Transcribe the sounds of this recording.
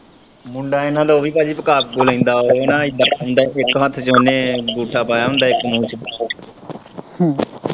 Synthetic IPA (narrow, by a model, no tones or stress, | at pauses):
mʊɳɖaːenãːd̪aoːʋiːpaːd͡ʒiːpəkaːp̚ɡoːlãːnd̪aːonãːɪd̪aːʊ̃nd̪aɪkɦət̪ʰt͡ʃoneːɡuːʈʰaːpaːjaːʊ̃nd̪aːɪkmũːt͡ʃpa | hãː